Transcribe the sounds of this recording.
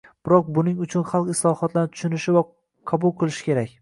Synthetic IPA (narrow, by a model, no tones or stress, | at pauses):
b̥ɪɾɒq̚bʊnɪŋʊt͡ʃʰʊnχɑlˠqɪslˠɒhɒt̪ʰlanɪt̪ʰʊ̥ʃʊnɪʃɪva | qʰɑbʊlˠqʰɨlˠɪʃɪ̥kʲe̞ɾakʲ